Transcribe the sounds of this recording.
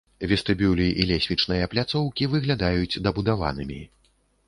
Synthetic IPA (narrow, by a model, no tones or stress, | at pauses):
vʲɛst̪ɨbʲulʲiʔilʲɛsʲvʲit͡ʂnɨjɐplʲat̪sɔwkʲivɨɣlʲad̪ajut͡sʲd̪ɐbud̪ava̰nɨmʲi